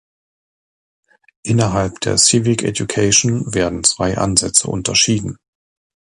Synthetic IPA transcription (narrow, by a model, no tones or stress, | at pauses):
ʔɪnɐɦalp̚d̥ḛːɐsivɪkʰɛ̰djukʰaɪʃnveːɐdn̩t͡sv̥aɪʔa̰nzɛt͡sə̰ʔʊ̰ntʰɐʃiːdn̩